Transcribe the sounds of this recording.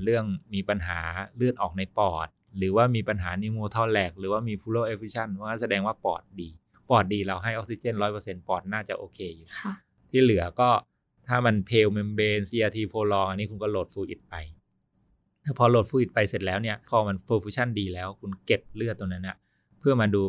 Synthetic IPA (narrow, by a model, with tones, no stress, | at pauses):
ɾɯ˥˩əŋmiː˧pa˧nɦa̰ː˩˦lɯ˥˩ənʔɔː˨˩k̚na˧jpɔː˨˩t̪̚ɾɯː˩˦waː˥˩miː˧pa˧nɦaː˩˦niː˧˥moː˧t̪ʰɔː˥˩lɛː˨˩k̚ɾɯː˩˦waː˥˩miː˧fʰuː˧˥loː˥˩ʔe˦˥fuː˧˦˥t͡ɕʰa˥˩nʰ˧˥˦a˥˩sa˧dɛː˧ŋwaː˥˩pɔ̰ː˨˩t̪̚diː˧ | pɔː˨˩t̪̚diː˧ɾa˧wɦa˥˩jʔɔ˦k̚si˧t͡ɕeː˥˩˨nɾɔː˦˥jpɤː˧se˧npɔː˨˩t̪̚naː˥˩t͡ɕa˨˩ʔoː˧kʰeː˧ju˨˩˧ | t̪ʰiː˥˩lɯ˩˦ɐkɔː˥˩ | t̪ʰaː˥˩ma˧npʰeː˧wme˧mbeː˧nsi˧ʔaː˧t̪ʰiː˧pʰoː˧lɔː˧ŋʔa˧nːiː˦˥kʰu˧nkɔː˥˩loː˨˩t̪̚fuː˧ʔḭ˨˩t̪̚pa˧j | t̪ɛː˨˩pʰɔː˧loː˨˩t̪̚fuː˧ʔi˨˩t̪̚pa˧jse˨˩t̪̚lɛː˦˥wni˥˩ɐpʰɔː˧ma˧npʰɾoː˧fuː˦˥t͡ɕʰa˥˩ndiː˧lɛː˦˥wkʰu˧nke˨˩p̚lɯ˥˩ət̪ːo˧ŋna˦˥nːʔa̰˧˩ | pʰɯ˥˩əma˧duː˧